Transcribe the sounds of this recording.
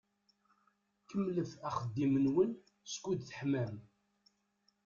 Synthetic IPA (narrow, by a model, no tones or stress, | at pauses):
kəmːləfæχəd̪ːimənwən | skʷːud̪θə̥ħmæm